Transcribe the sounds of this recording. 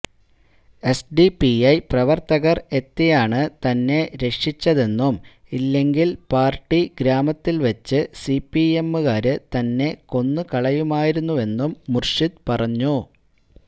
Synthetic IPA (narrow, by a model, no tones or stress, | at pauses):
e̞sɖipiɐjprɐʋɐrt̪ɐɣɐre̞t̪ːijaːɳɨt̪ɐnːe̞ɾe̞kʂit͡ɕːɐðe̞nːumilːe̞ŋɡilpaːrʈːiɡɾaːmɐt̪ːilʋɐt͡ɕːɨsipːiemːɨɣaːɾɨt̪ɐnːe̞ko̞nːɨkɐɭɐjumaːjiɾunːue̞nːumːurʂid̪̚pɐrɐɲːu